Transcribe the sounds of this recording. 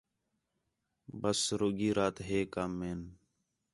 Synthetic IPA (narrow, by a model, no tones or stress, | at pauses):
bəsɾoːɡiːɾaːt̪ɦeːkamːeːn